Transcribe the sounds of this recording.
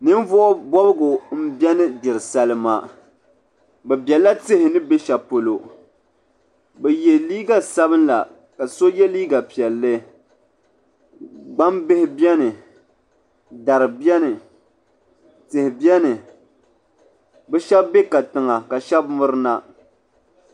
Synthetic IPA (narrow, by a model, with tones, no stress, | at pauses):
nɨ˦m˦vʊ˦ʔbɔ˦bɨ˦ɡʊ˨m̩˦bjɛ˦nɨ˦d͡ʒɪ˨ɾɨ˨sa˦lɨ˦ma˦ | bɛ˨bɛ˨la˦tɪ˦hɪ˨nɨ˦be˦ʃa˨po˨lo˨ | bɛ˨jɛ˨liː˦ɡa˨sa˦βɨ˦nla̰˨ | ka˨so˦jɛ˦liː˦ɡa˨pi˨ɛ˨lːɨ˦ | ɡ͡ba˦mbɪ˦hɪ˦bjɛ˦nɨ˨ | da˨ɾɨ˨bɛ˦nɨ˨ | tɨ˨hɪ˨bi˦ɛ˦nɨ˨ | bɛ˦ʃɛ˦bːe˦ka˨tɨ˨ŋa˨ka˨ʃɛ˦bmʊ˦ɾɨ˦na˦